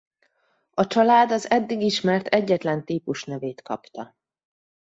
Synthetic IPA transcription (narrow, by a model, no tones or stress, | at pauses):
ɒt͡ʃɒlaːd̪ɒzɛd̪ːiɡiʃmɛrt̪ʰɛɟːɛt̪lɛnt̪iːpuʃnɛveːt̪kɒ̰pt̪ɒ